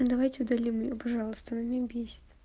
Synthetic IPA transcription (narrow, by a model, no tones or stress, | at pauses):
d̪ɐvajtʲɪʊd̪ɐlʲimjopɐʐɑlˠəst̪ənɐmʲebʲesʲɪ̥t̪